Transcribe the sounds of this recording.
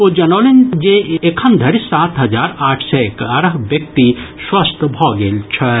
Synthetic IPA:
od͡ʒɐnoːlind͡ʒeekʰɐnd̪ʱɐɾsaːt̪ɦɐd͡ʒaːɾaːʈʰsɛekəɾəɦbjɐk̚t̪iswɐst̪ʰbʱɔɡeːlt͡ʃʰɐ

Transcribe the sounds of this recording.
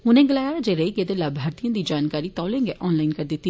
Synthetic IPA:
ɦʊnẽɡɐlaːjaːɾad͡ʒeɾɐɦiked̪elaːbʱaːɾt̪ijõd̪id͡ʒaːnkaːɾit̪ɔːlẽŋɡeʔɔːnlaːɪnkɐɾd̪et̪ːi

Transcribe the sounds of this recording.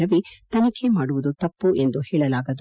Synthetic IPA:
ɐʋit̪ɐnikʰemaːɽuʋud̪ut̪ɐpːuʔe̞nd̪uhɛːɭɐlaːɡɐd̪

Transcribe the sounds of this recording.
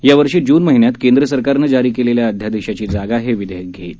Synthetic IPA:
jaʋəɾʂiːd͡ʑuːnməɦinjat̪kend̪ɾəsəɾkaɾnəd͡ʑaɾiːkeleljaəd̪ʱjad̪eɕat͡ɕiːd͡zaɡaɦeʋid̪əjək̚ɡʱeit̪

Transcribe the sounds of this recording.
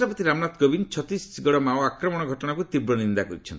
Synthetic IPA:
ɾapɔt̪iɾamnat̪ɡɔbint͡ʃʰɔt̪isɡɔɽɔmaoɔakɾɔmɔɽ̃ɔɡʱɔʈɔɽ̃akut̪ibɾɔnind̪akɔɾit͡ʃʰɔnt̪

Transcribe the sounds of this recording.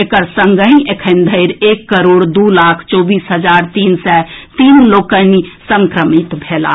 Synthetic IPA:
ekəɾsəŋɡə̃ĩekʰənd̪ʱəɪɾekːəɾoɽd̪ulakʰt͡ʃɔbisɦəd͡ʒaɾt̪insɛt̪inlokənisəŋkɾəmit̪bʱela̰

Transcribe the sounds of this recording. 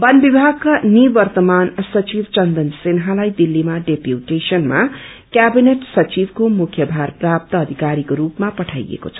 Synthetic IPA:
bʌnbibʱaɡ̚kanibʌrt̪ʌmansʌt͡sibt͡sʌnd̪ʌnsenɦãlajd̪ilːimaɖepjuʈesʌnmakʲjabineʈsʌt͡sibkomukʰjʌbʱarprap̚t̪ʌːd̪ʱikaɾikoɾupmapʌʈʰa̰jḛko̰t͡sʰʌ̥

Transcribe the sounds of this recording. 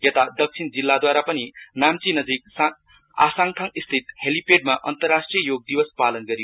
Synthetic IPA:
jet̪ad̪ʌk̚t͡sʰind͡zilːad̪waɾapʌninamt͡sinʌd͡zik̚sa | a̰saŋt̪ʰʌŋist̪ʰit̪helipeɖ̚maʔʌnt̪ʌrːasʈrijʌjoɡ̚d̪ibʌspalʌnɡʌɾi

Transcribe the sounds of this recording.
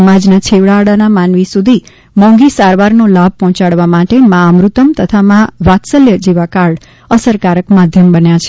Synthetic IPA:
əmad͡ʒnat͡ʃʰeʋɭaːɽanamanʋisud̪ʱi | mɔ̃ŋɡisaɾʋaɾnolab̚ʱpɔɦɔ̃t͡ʃaɽʋamaʈemãːmɾut̪əmt̪ət̪ʰamãʋat̪səljəd͡ʒeʋakaɭ | əsəɾkaɾəkmad̪ʱjəmbənjat͡ʃʰe

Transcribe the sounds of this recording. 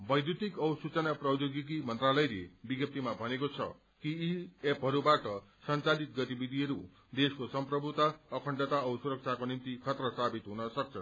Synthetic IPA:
bʌjd̪jut̪ikʌwsut͡sʌnaprʌd͡ʒoɡikimʌnt̪ɾalʌjlebiɡʌp̚t̪imabʱʌnekot͡sʰʌ̰ | kiːepɦʌɾubaʈʌsʌnt͡salit̪ɡʌt̪ibid̪ʱiɦʌɾu | d̪eskosʌmprʌbʱut̪aʌkʰʌɳɖʌt̪aʌusuɾʌk̚t͡sʰakonimt̪ikʰʌt̪rʌsabit̪ɦunʌsʌk̚t͡sʰʌn

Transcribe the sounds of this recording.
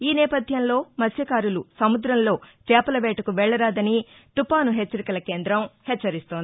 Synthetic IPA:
iːnɛːpɐd̪ʱjɐmlo̞ːmɐsjɐkaːɾulusɐmud̪ɾɐmlo̞ːt͡ʃɛːpɐlɐʋɛːʈɐkuʋɛɭːɐɾaːd̪ɐni | t̪upaːnuɦet͡ʃːɐɾikɐlɐke̞ːnd̪ɾɐmhɛt͡ʃːɐɾist̪oːnd̪i

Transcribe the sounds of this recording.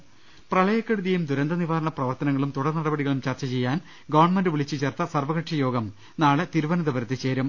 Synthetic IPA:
prɐɭɐjɐkːeɽuðɐjumd̪uɾɐnd̪ɐniʋaːɾɐɳɐprɐʋɐrt̪ɐnɐŋːɐɭumt̪uɽɐrnɐɽɐbɐɽiɣɐɭumt͡ɕɐrt͡ɕɐt͡ɕe̞jːaːn | ɡɐʋɐrɳmɐndɨʋiɭit͡ɕːɨt͡ɕeːrt̪ɐsɐrʋɐɣɐʈʂɐjo̞ːɡɐm | naːɭet̪iɾuʋɐnɐd̪ɐbɐɾɐt̪ːit͡ɕe̞ːɾum

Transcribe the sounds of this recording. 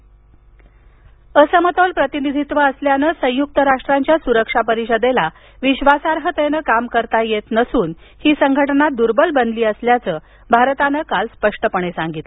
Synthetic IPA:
əsəmət̪olpɾət̪inid̪ʱit̪ʋəəsljanəsə̃juk̚t̪əɾaʂʈɾaɲt͡ɕjasuɾəkʂapəɾiɕəd̪ela | ʋiɕʋasaɾɦət̪enəkamkəɾt̪ajet̪nəsuːn | hiːsəŋɡʱəʈənat̪̚d̪uɾbəlbənliːəsljat͡səː | bʱaɾt̪anəkalspəʂʈəpəɳ̃esãŋɡit̪l

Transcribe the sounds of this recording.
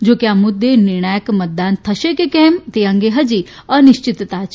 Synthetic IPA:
d͡ʒokjãmud̪ʱːeniɾɳaːjəkmət̪̚d̪aːnt̪ʰɐʃekekɛ̃ːmt̪ejãŋɡeɦɐd͡ʒi | əniʃt͡ɕit̪t̪aːt͡ʃ

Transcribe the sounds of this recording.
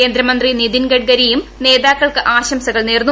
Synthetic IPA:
eːnd̪ɾɐmɐnd̪rinid̪inɡɐɖ̚ɡɐɾijumne̞ːðaːkːɐɭkɨʔaːɕɐmsɐɣɐɭneːrnːu

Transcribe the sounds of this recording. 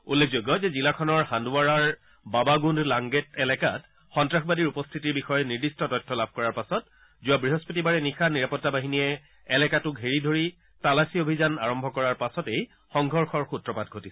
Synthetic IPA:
ulːek̚ʰzojɡɔzɛzilakʰɔnɔɹxanduaɹaɹ | babaɡundlaŋɡetɛlɛkat | xɔntɹaxbadiɹupɔstʰitiɹbixɔjɔniɹdistɔtɔjtʰːɔlab̚ʱkɔɹaɹpasɔt | zʊabɹiɦɔspotibaɹɛnikʰaniɹapɔtːabaɦiniɛː | lɛkatʊkɦeɹidʱoɹi | talasiobʱizanaɹɔmbʱɔkɔɹaɹpasɔtej | xɔŋɡʱɔɹxɔɹxutɹɔpat̚ɡʱotisɛ̥

